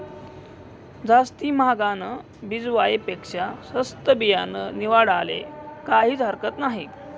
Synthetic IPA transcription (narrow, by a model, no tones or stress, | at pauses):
d͡zast̪iːmaɡanə | bid͡zʋajipekʂasəst̪əbijanəniʋaɽalḛkaɦiːt͡sɦəɾkət̪naɦi